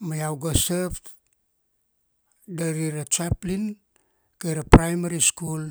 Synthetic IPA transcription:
majawɡosap | daɾiɾat͡ʃaplin | kajɾapɾajmaɾiskul

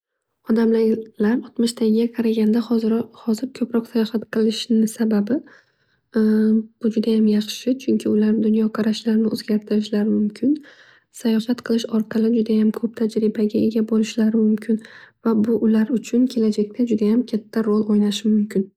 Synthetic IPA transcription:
ɒd̪amlalaɾɒt̪mɪʃt̪ʰaɡʲɪɡʲaqʰɑɾaɡʲand̪ahɒzhɒzɪɾkʰɵpɾɒqsajɒhat̪qʰɨlˠɪʃnɪsababɪ | b̥ʊd͡ʒʊd̪ajamjɑχʃɪt͡ʃʰʊŋkʲʰɪʊlaɾd̪ʊnjɒqʰɑɾaʃlaɾnɪʔozɡʲaɾt̪ʰɪɾɪʃlaɾɪmʊmkʲʰɪn | sajɒhat̪qʰɨlˠɪʃɒɾqʰɑlˠɪd͡ʒʊd̪ajamkʰɵp̚t̪ʰad͡ʒɾɪbaɡʲae̞ɡʲabolɪʃlaɾɪmʊmkʲʰɪnvabʊʔʊlaɾʊt͡ʃʰʊnkʲʰe̞lad͡ʒakʲt̪ʰad͡ʒʊd̪ajamkʲʰat̪ʰːaɾolˠojnaʃɪmʊmkʲɪn

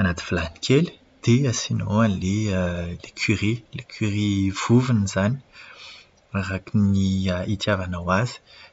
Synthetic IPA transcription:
anat̪i̥v̥ilani̥kʰeli̥ | d̪̥easinoanlelekʰirilekʰyʁiv̥uvinizani | aɾakiniəit̪javanawazi̥

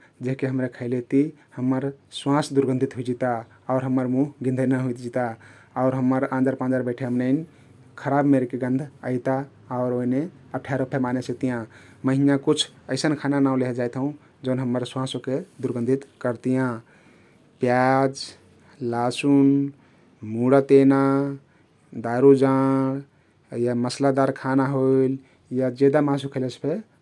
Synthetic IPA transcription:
d͡ʒeɦkeɦəmɾekʰəɪlet̪i | həmːəɾswãsd̪uɾɡə̃nd̪ʱit̪ɦuid͡ʒit̪a | ɔʊɾɦəmːəɾmuɦɡĩnd̪ʱənaɦuit̪d͡ʒit̪a | ɔʊɾɦəmːəɾãnd͡ʒəɾpãnd͡ʒəɾbəɪʈʰeəmnəɪn | kʰəɾabmeɾekeɡə̃nd̪ʱəɪt̪a | ɔʊɾoine | əʈʰjaɾopʰemanesək̚t̪ijã | məɦinakut͡ʃʰəɪsənkʰananaũleɦd͡ʒajt̪ʰɦũ | d͡ʒəʊnɦəmːəɾswãsuked̪uɾɡə̃nd̪ʱit̪kəɾt̪ijã | pjad͡ʒ | lasun | muɽat̪ena | d̪aɾud͡ʒa | jaməslad̪aɾkʰanaɦoil | jad͡ʒed̪amãsukʰelespʰe

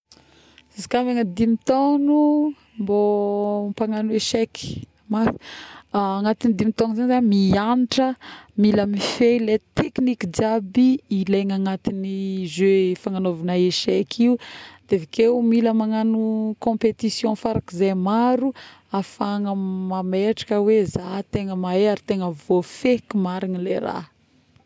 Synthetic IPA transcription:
z̥izikameŋəd̪imit̪onu | mbo | paŋanueʃɛki̥ | maθi̥ | aŋat̪inid̪imit̪onzanizamianiʈ͡ʂəmilamifelet̪ekinikid͡ʒabiːleŋaŋat̪inizøfaŋanovanaeʃekʰiud̪̥evikeumiləmaŋanukɔ̃pet̪isjɔ̃faɾakizajmaɾu | afaŋəmameʈ͡ʂḁkəwezat̪eŋəmaeaɾit̪eŋəvofekimaɾinileɾa̰

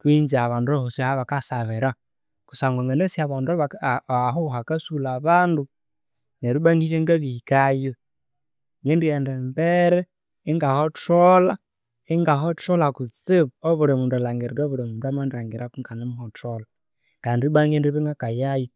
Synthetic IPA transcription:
kwinziaβaːnduohoshaβakasaβeɾa | ku̥saŋɡoŋɡanesjaβandβaɦuɦakasulaβaːndu | neɾubaŋɡiɾeŋɡaβihikajo | ŋɡendujɛndɛmbɛɾɛː | ŋɡahɔtɔla | iŋɡaɦɔtɔlakut͡sɪβuoβuɾɛmudalaŋɡiɾiɾoβuɾɛmundwamandɾaŋɡiɾʔakuŋɡanɛmuhɔtola | kaːndibaŋɡendiβiŋɡakajajo

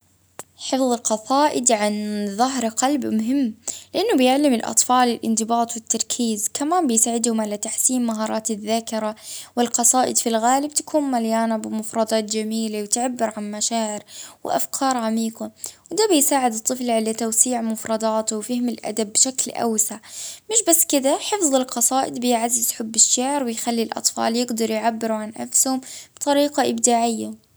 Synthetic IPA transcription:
ħɨfðˤqɑsˤɑːʔɪd̪ʕanðˤaɦɾqɑlbmʊɦɪmːlɪʔanːʊbjɪʕlamɪlʔɑ̰t̪ˤfɑːlɪlʔɪ̰nd̪ɪbɑːt̪ˤwɪt̪ːɑɾˤkʰiːzkʰamaːnbɪjsaːʕɪd̪hʊmʕalat̪aħsiːmmaɦɑːɾˤɑːt̪ɪðːaːkɪɾawɪlqɑsˤɑːʔɪd̪filɣaːlɪb̚t̪ḁkʰuːnmaljaːnabɪmʊfɾˤɑd̪ˤɑːt̪̚d͡ʒamiːlawɪt̪ʕabːɪɾʕanmaʃaːʕɪɾwɪ̰ʔa̰fkʰɑːɾˤʕamiːqɑwd̪aːbɪjsaːʕɪd̪ɨt̪ˤːɨflʕalat̪awsiːʕmʊfɾˤɑd̪ˤɑːt̪wfɪhɪmɪlʔa̰d̪abːʃaklʔa̰wsaʕmɪʃbasːkɪd̪aħɪfðˤɪlqɑsˤɑːʔɪd̪bɪjʕazːɪzħʊbːɪʃːaʕɾwɪjxalːilʔɑ̰t̪ˤfɑ̰ːljɪɡd̪ɑɾˤjʕabːɪɾuʕanʔa̰fshʊmb̥t̪ˤɑɾiːqɑʔɪbd̪aːʕɪjːa

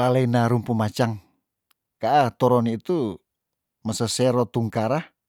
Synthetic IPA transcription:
lalainaɾumpumat͡ʃaŋ | kaʔat̪ɔɾɔnit̪u | məsəsɛɾɔt̪uŋkaɾah

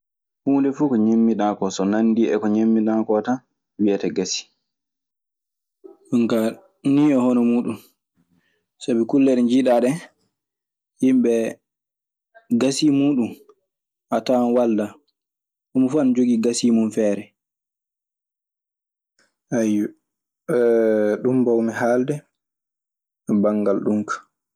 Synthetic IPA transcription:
huːndɛfukɔɲemːiɗakɔsɔnanːdiɛ̰kɔɲemːiɗakɔta | wijatɛɡasi̥ | ɗuŋka | niɔhɔnɔmuːɗun | sabikulːɛɾɛɲd͡ʒiɗaɗɛ | himɓɛ | ɡasimuːɗum | ʔatanwalda | ʔɔmɔfand͡ʒoɡiɡasimunfɛːɾɛ | ʔaju | ɗumbawmɛhaldɛ | baŋɡalɗuŋkḁ

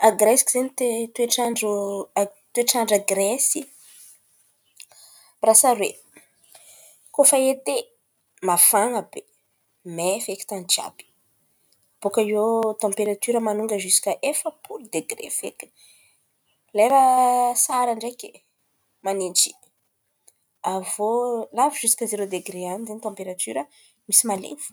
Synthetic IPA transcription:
aɡɾesi̥kizenit̪et̪ueʈ͡ʂaɳɖ͡ʐu | t̪ueʈ͡ʂaɳɖ͡ʐaɡresi | rasaɾwe | kofaet̪e | mafaŋəbe | mefeki̥t̪and͡ʒa̰b̥i̥ | b̥ukaiot̪ɑ̃mpeɾat̪yɾəmanuŋɡəʒisi̥kəʔefəpʰuɾid̪eɡɾḛfḛki | lejɾasaɾaɳɖ͡ʐeki̥ | manend͡ʒi | avolaviʒusi̥kəzeɾod̪eɡɾeanizeɲit̪ãmpeɾat̪yɾə | misimalḛnfu̥

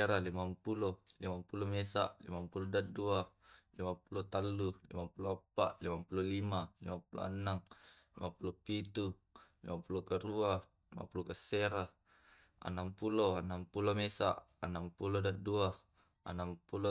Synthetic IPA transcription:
ɾalimampulolimampulomesa̰ʔlḭmampulodat̪̚dualimapulot̪alːulḭmapuloapaʔlimapulolimalimapulo̰a̰naŋlimapulopit̪ulimapulokaɾua | lima̰pulokəseɾa | a̰nampuloanampulomesa̰ʔ | ənampulodat̪̚dua | a̰nampulo

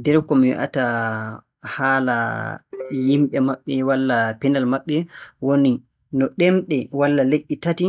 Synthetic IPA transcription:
dɛɾkɔmiwḭʔa̰ta | haːla̰ | jimɓɛmaɓːɛwalːapɛnalmaɓːɛwoni | nɔɗɛmɗɛwalːaleʔːitati

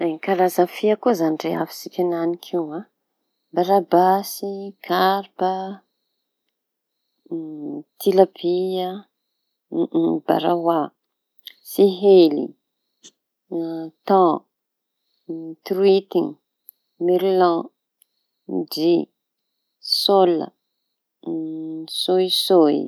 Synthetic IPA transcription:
kaɾazafiakuzaniɖ͡ʐea̰fi̥sikʲananikʰiwa | baɾabasikʰaɾpə | t̪ʰilabia | ba̰ɾawa | siɦelḭ | t̪ɑ̃ | t̪ɾwit̪in | miɾlɑ̃ | d͡ʒi | solə̰ | sojsoj

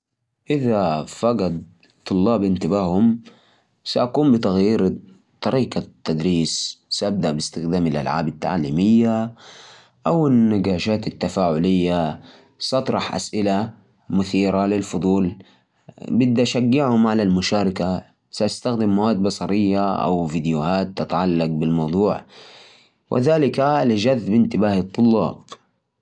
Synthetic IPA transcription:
ʔɪðafɑɡɑd̪ | t̪ʰˤːʊlːɑːbʔɪnt̪ɪbaːhʊm | saʔakuːmbɪt̪aɣjiːɾ | t̪ˤːɑɾiːqɑt̪ːad̪ɾiːssaʔab̚d̪aʔbɪst̪ɪxd̪aːmɪlʔa̰lʕa̰ːbat̪ːa̰ʕa̰liːmɪjːa | ʔawɪnːaɡaːʃaːt̪at̪ːafaːʕʊlɪjːa | sʔɑt̪ˤɾˤɑħʔa̰sʔɪla | mʊθiːɾalɪlfʊd̪ˤuːl | bɪd̪ːʔaʃaɡːɪʕhʊmʕalalmʊʃaːɾˤɑka | saʔast̪axd̪ɪmːawaːd̪̚bɑsˤɑɾɪjːaʔa̰wvid̪jʊhaːt̪ːɪt̪aʕalːɑq̚bɪlmɑwd̪ˤuːʕ | wʔɪ̰ðaːlɪkalɪd͡ʒaðːbɪnt̪ɪbaːhɨt̪ˤːʊlːɑ̰ːb

